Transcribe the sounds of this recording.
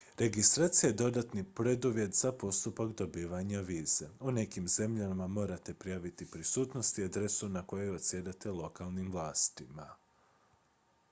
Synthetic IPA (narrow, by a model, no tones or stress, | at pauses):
ɾe̞ɡist̪ɾaːt̪sijed̪o̞d̪at̪nipɾe̞d̪uʋje̞t̪z̥apo̞st̪upakd̪o̞biːʋaɲaʋiːz̥e̞une̞kimze̞mʎamamo̞ːɾat̪e̞pɾijaːʋit̪ipɾisuːt̪no̞st̪iad̪ɾe̞sunako̞jejuot̪sjed̪at̪e̞lo̞kʰalˠnimʋlˠaːst̪ima